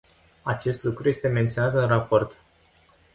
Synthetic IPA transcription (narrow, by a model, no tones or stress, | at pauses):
at͡ʃe̞st̪lukɾuje̞st̪e̞me̞nt̪sio̞nat̪ɨnrapo̞rt̪